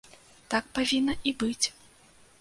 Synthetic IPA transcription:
t̪ak̚pavʲinːɐʔibɨt͡sʲ

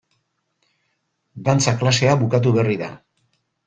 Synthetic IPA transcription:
d̪ant͡saklase̞aβukat̪̬uβe̞riða̰

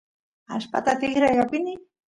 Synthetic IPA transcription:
a̰spa̰t̪at̪ɪɣɾajɣapini

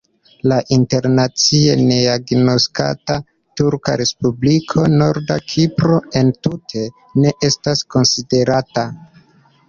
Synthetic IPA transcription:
laʔinte̞ɾnat͡sie̞neaɡno̞ska̰ta | tuɾka̰ɾe̞spublikʰo̞no̞ɾdakʰipɾo̞e̞ntutʰe̞ | ne̞ʔe̞stasko̞nside̞ɾata

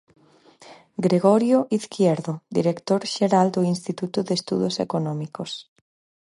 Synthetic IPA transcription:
ɡɾeɣɔɾjoʔiθkʰjeɾðʊd̪ḭɾekt̪oɾʃeɾald̪ʊinst̪it̪ut̪ʊðest̪ṵðosḛkonɔmikos

